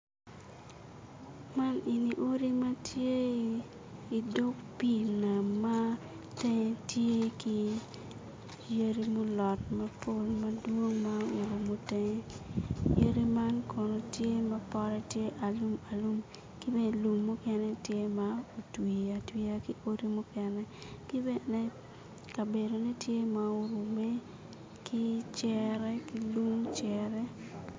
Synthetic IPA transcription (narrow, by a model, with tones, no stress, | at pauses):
ma˦ni˨ni˨ʔo˦ɾi˦ma˦tje˦ | i˨do˦kpi˦˨naː˨a˦ | te˦ŋe˦tje˦ki˦ | je˦ɾi˦mu˦lɔ˨tmɐ˦po˦lmɐ˦dwo˦ŋma˦me˨lo˨mo˦te˦ŋe˦je˦ɾi˦ma˦nkʰɔ˨no˨tje˦mɐ˦pɔ˦ɾɛ˦tje˦ʔa˨lu˦ma˨lu˦m | ki˦be˦˨lu˨mːo˦kɛ˦nɛ˦tje˦mao˨twi˨a˨twi˦a˦ki˦o˦ɾi˦mu˦kɛ˨nɛ˦ki˦bɛ˦ne˦ | ka˨be˨do˨ne˦tje˦ma˨o˦ɾu˨me˦ | kʰi˦t͡ʃjɛ˨ɾɛ˦ki˨lu˦ŋt͡ʃɛ˨ɾɛ˦